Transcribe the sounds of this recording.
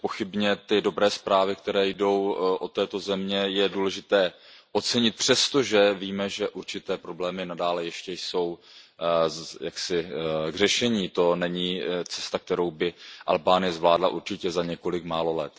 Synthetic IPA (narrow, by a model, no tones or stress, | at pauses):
po̞xɪbɲɛt̪ɪdo̞bɾɛːspɾaːvɪkt̪ɛɾɛːjdo̞wʔo̞t̪ɛːt̪o̞zɛmɲɛjɛduːlɛʒɪt̪ɛːʔo̞t͡sɛɲɪt̪̚pr̝̥ɛst̪o̞ʒɛviːmɛʒɛʔuɾt͡ʃɪt̪ɛːpɾo̞blɛːmɪnadaːlɛjɛʃcɛjso̞w | jaksɪɡr̝ɛʃɛɲiːt̪o̞nɛɲiːt͡sɛ̥st̪ak̚t̪ɛɾo̞wbɪʔa̰lbaːnɪjɛzvlaːdla̰ʔuɾt͡ʃɪcɛzaɲɛko̞lɪkmaːlo̞lɛt̪